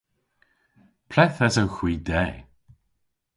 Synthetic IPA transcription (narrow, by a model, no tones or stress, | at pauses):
pʰlɛθɛsawxwiːdɛː